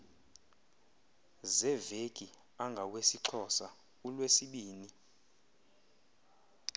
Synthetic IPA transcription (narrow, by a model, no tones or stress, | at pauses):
zɛvekʼi | aŋɡʱawesiǁʰɔsa | ulwesiɓiːni